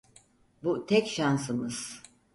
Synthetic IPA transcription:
but̪ʰɛcʃansɯmɯz̥

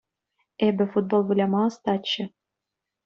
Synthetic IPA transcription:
ebɘ̆fud̪̚bolˠvɘlʲɑmɑɤ̆st̪ɑt͡ɕːɘ̆

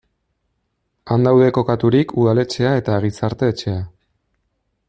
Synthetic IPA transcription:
and̪awðe̞ko̞kat̪uɾikʰuð̞ale̞t͡se̞ae̞t̪aɣ̞it͡saɾt̪e̞ːt͡ʃe̞a

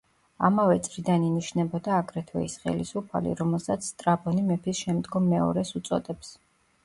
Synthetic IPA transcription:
a̰mavɛt̪sʼɾid̪aniniʃnɛbɔd̪aːkʼɾɛt̪ʰwɛ̰isχɛ̰lisupʰa̰lḭɾɔmɛlˠsat̪sʰst̪ʼɾabʼɔnimɛpʰisʃɛmd̪ɡɔmːɛɔ̰ɾɛsut̪sʼɔ̰d̪ɛps

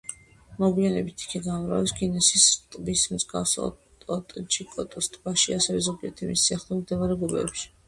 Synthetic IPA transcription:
mɔɡwianɛbit̪ʰi̥kʰɛɡamɾa̰vɛsɡinɛsist̪ʼbismd̪zɡa̰fsɔ̰ | ɔt̪ʼt͡ʃʰʼikʼɔt̪ʼɔst̪ʼbaʃiasɛvɛzɔbʼiɛt̪ʰɛmisːiaχlˠɔɾmd̪ɛvaɾɛɡubɛ̰ːpʃi̥

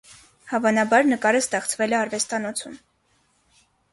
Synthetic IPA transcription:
hɑvɑnɑbɑɾnəkɑɾəst̪ɛχt͡sʰvɛlɛɑrvɛst̪ɑnɔt͡sʰum

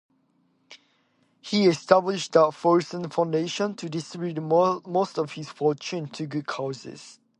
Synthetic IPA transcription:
hiɛstablɪʃdətfɔɹsə̃nfãʊ̃ndeʃə̃ntʰudɪstɹɪbutmostɔv̥hiz̥fɔˑt͡ʃũntʰuɡud̚kʰaʊsɪ̰z̥

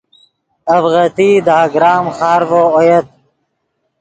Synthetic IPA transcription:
ɐbɣət̪id̪aːɡɾaːmxɑːɾvoːojet̪̚

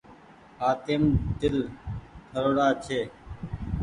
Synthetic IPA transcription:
haːt̪eːmd̪ɪlk̪ʰəɾoːɽaːt͡ʃʰeː

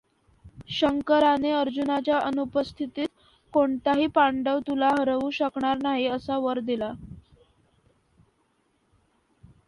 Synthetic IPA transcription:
ɕəŋkəɾaneəɾd͡ʑunat͡ɕjaʔənupəst̪ʰit̪iːt̪̚ | koɳt̪aɦiːpaɳɖəʋt̪ulaɦəɾəʋuːɕəkɳaɾnaɦiəsaʋəɾd̪ila

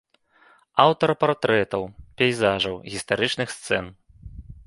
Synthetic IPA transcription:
awt̪ɐɾpart̪ɾɛt̪ɐwpʲɛjzaʐɐwɣʲist̪aɾɨt͡ʂnɨxst̪sɛn

